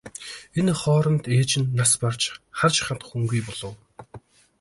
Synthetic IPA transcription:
enχɔːɾɞ̆nt̪eːt͡ɕɪ̆nːaspart͡ɕχart͡ɕχat̪̆χuŋɡujpɔɮɞ̆w

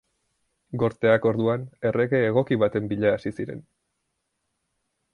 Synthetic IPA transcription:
ɡo̞ɾt̪e̞ako̞ɾðuane̞re̞ɣe̞ːɣ̞o̞kiβat̪e̞mbiʎaːsisiɾe̞̰n

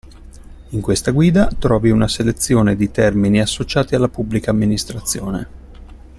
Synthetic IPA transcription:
iŋkwest̪aɡwiːd̪at̪ɾɔːviunaselet̪sːjoːned̪it̪ɛrminiasːot͡ʃaːt̪ialːapubːlikaːmːinist̪ɾat̪sːjoːnḛ

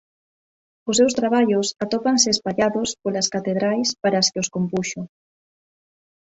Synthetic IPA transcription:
osːewst̪ɾaβ̞aʎosat̪opanseːspaʎaðospolaskat̪eð̞ɾajspaɾaskeoskompuʃo

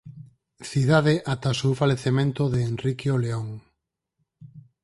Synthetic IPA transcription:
θiðaðeʔat̪asufaleθemẽnt̪oðeːnrikjoleoŋ

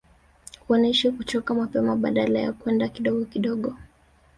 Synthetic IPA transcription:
huɔnɛʃikut͡ʃɔkamapɛmaɓa̰ɗalaja̰kwɛndakiɗɔɠɔkiɗɔɠɔ

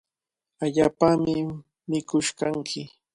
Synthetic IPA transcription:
aʎaːpamɪ | mɪkʊʃkaŋkʰɪ

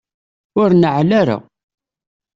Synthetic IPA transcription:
ʊɾnəʕlaɾa̰

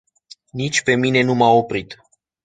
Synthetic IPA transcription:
nit͡ʃʲpe̞mine̞numao̞pɾit̪

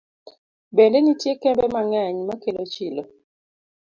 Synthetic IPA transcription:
bɛndɛnitjekɛmbɛmaŋɛɲmakelot͡ʃilo

